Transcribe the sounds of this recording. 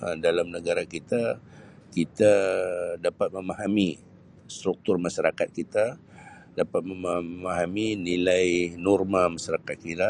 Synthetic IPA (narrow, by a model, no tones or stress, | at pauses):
dalamnəɡaɾakit̪a | kit̪adapat̪̚məmaɦami | st̪ɾuk̚t̪ʊrmaʃaɾakat̪̚kit̪a | dapat̪̚məmamaɦaminilajnɔrmamaʃaɾakat̪̚kit̪a